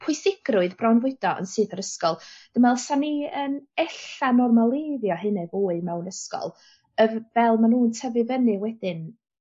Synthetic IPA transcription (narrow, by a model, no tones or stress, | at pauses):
pʰʊɨsɪɡ̥rʊɨðbrɔwnvʊɨd̥ɔʔə̰nsɨːθəɾəskɔlˠd̥əmɛlˠəsaniənɛɬanɔrmalˠeːðjɔɦɨnɛvoːɨmɛwnəskɔ̰lˠ | əvɛlˠmanuːntʰəvɨvənɨwɛdɪn